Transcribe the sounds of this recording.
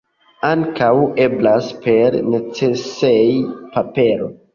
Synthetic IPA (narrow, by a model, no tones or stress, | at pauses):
aŋkawe̞blaspe̞ɾnet͡sesejpape̞ɾo̞